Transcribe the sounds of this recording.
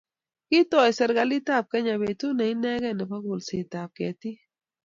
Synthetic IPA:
ki˦tɔ˨jsɛ˨ɾɡa˨li˦ta˦˨p̚kɛ˦ɲa˨βe˨tu˦nɛ˨i˦nɛ˦ɡɛ˦˨nɛ˨pa˦ɡu˨lsi˨ta˨p̚kɛ̰˨t̪i˦

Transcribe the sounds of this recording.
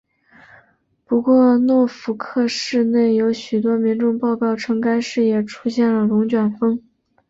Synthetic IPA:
pu˧˥kwɔ˥˧nwɔ˥˩fu˧˥kʰɤ˥˧ʂɻ̩˥˧ne˥˩ɪjo˧˥ʊɕy˨˩t̪̬wɔ˥mi˧˥ŋʈ͡ʂʊ˥˧ŋpɑ˥˧ʊkɑ˥˩ʊʈ͡ʂʰɤ˧˥ŋka˥ɪʂɻ̩˥˩jɛ˨˩ʈ͡ʂʰu˥ɕjɛ˥˩nlə˩lʊ˧˥ŋt͡ɕɥɛ˨˩nfɤ˥ŋ

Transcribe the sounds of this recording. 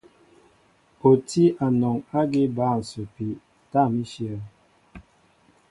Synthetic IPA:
o˨ti˦ʔa˨nɔ˨ŋa˦ɡi˦ba˦˨n̩˨sə˨pi˨ | ta˦˨mi˦ʃjə˦˨

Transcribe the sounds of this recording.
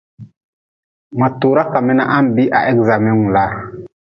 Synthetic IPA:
ma˨tu˨ɾa˦ka˨mɛ˦na˨ʔa˦m˨bi˦ʔa̰˨ʔɛ˦ɡza˨mɛ˦ŋu˨la˦ɾ

